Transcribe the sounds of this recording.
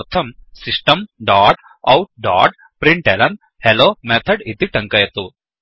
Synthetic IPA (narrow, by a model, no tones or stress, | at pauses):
t̪ʰɐmsisʈɐmɖaːʈ | ɐwʈ̚ɖa̰ːɖ | pɾiɳʈelɐn | heloːmet̪ʰɐɖit̪iʈɐŋkɐjɐt̪u